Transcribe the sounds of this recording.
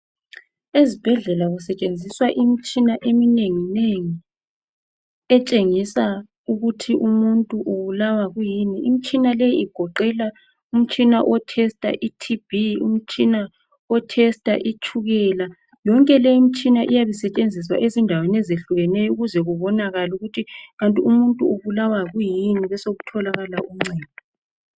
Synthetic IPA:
ezib̥ʱɛɮɛlaɣusɛt͡ʃʼend͡zʱiswaʔimit͡ʃʼinaʔemineŋineŋi | ɛt͡ʃʼeŋisa | uɣutʰiʔumuntʼuʔuβulawaɣujiniʔim̩t͡ʃʼinalɛjiiɡ̥ʱɔǃɛla | um̩t͡ʃʼinaʔɔtʰɛstʼa̰ʔitʰib̥ʱiṵm̩t͡ʃʼina | ɔtʰɛstʼa̰ʔit͡ʃʰʼuɣɛla | jɔŋkʼɛlɛjim̩t͡ʃʼinaʔijaβisɛt͡ʃʼend͡zʱis̬wa̰ʔezindʱawenɛzeɬuɣɛnɛjɔuɣuzɛɣuβɔnaɣaluɣutʰiɣantʼiumuntʼuoβulawaɣujiniβɛsoɣutʰɔlaɣalaʔum̩ŋ͡ǀɛːd̚ʱɔ

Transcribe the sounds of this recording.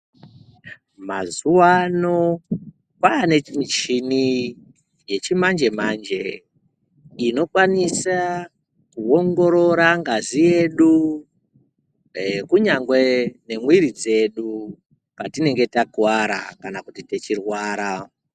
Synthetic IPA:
ma̰zuwano̞ | kwaːne̞imit͡ʃini | je̞t͡ʃimand͡ʒe̞mand͡ʒe̞ | ino̞kwanisa | kuo̞ŋɡo̞ɾo̞ɾaŋɡazije̞ɗu | kuɲaŋɡwe̞ne̞mwiɾid͡ze̞ɗu | katine̞ŋɡe̞takuwaɾa̰kanakutite̞t͡ʃirwaːɾa

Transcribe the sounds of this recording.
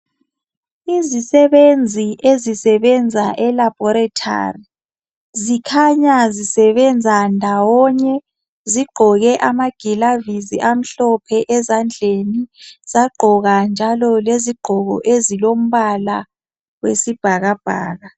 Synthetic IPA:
izisɛβend͡zʱiʔezisɛβɛnd͡zʱaʔɛlab̥ʱɔɾatʰa̰ri | zikʰaɲazisɛβɛnd͡zʱandʱawɔɲɛ | ziɡ͡ǃʱɔɣɛʔamaɡ̥ʱilaviziʔam̩ɬɔpʰɛʔɛzand͡ɮʱeniz̥aɡ͡ǃʱɔɣand͡ʒʱalɔleziɡ͡ǃ̥ʱɔɣɔ̰ʔezilom̩βala | wesib̥ʱaɣab̥ʱa̰ːɣa

